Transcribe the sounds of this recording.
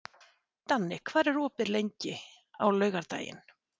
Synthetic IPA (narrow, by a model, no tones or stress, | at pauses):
t̪anːɪkʰvaːɾɛɾɔːpɪɾleɲcɪ | a̰wlœːɥɣaɾt̪a̰ːjɪ̰n